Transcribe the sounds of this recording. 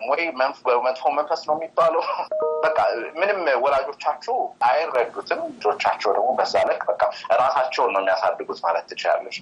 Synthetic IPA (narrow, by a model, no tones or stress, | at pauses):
wɔjmənbəmənt̪foɾmənfəstnəwjmːibːaləwbəkʼːamɨnɨmwɔlad͡ʒo̞t͡ʃːat͡ʃːɛwʔajrːəɡːut̪ʰɨmlɨd͡ʒo̞t͡ʃːat͡ʃːɛwd̪əɡmobəzːalɨkʼbəkʼːaɨɾasat͡ʃːɛwnəwɛmːijasad̪ːɨɡut̪malət̪ːɨt͡ʃɪla̰lːəʃ